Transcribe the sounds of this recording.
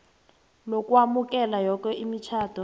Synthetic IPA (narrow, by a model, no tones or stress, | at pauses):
nokʼwamukʼɛlajɔk̬ʼɛʔimit͡ʃʰaːd̥ʰʱɔ